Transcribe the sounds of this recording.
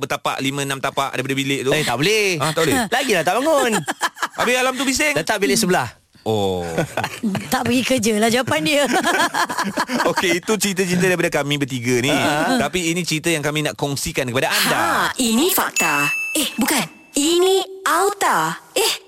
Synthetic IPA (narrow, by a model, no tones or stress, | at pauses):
bət̪apa̰ʔlimə̃namt̪apa̰ʔdajipadəbileʔt̪uet̪aʔbolehãt̪aʔbolɛlaɡilaht̪aʔbaŋʊnʔabealamt̪ubis̬ɪŋdat̪aʔbilɪʔsəbəlah | ʔo | t̪aʔpəɡikəd͡ʒəlahd͡ʒawapandiə | okeit̪ut͡ʃəɾit̪ət͡ʃəɾit̪̬ədaɾipadəkamĩbət̪̬iɡənit̪apiːnĩt͡ʃəɾit̪əjaŋkamĩnaʔkɔŋsikankəpadaandainĩfak̚t̪aehbukan | iniʔawt̪aeh